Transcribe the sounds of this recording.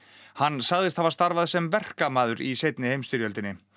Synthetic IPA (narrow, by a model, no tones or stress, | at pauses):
hanːsaɣðɪst̪havast̪aɾvaðsɛmvɛr̥kamaːðʏɾisejt̪nɪhejmst̪ʏɾjœlt̪ɪnːɪ